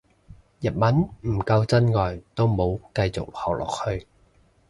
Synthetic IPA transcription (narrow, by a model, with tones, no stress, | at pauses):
jɐ˨t̚mɐ˨˥nm̩˨˩kɐ˧wt͡sɐ˥nŋɔː˨jt̪o˥wmo˨˧wkɐ˧jt͡sʊ̰˨k̚hɐ˨˩wlʔɔ̰ː˨k̚hɵ˧ɥ